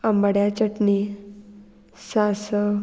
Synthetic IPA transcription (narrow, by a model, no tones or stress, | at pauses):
əmbəɽjat͡ɕəʈni | sasə